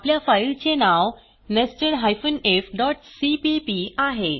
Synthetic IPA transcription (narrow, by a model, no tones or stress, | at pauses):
apljafajlt͡ɕenaw | nesʈəɾɦajfənefɖɔʈsipipiaɦe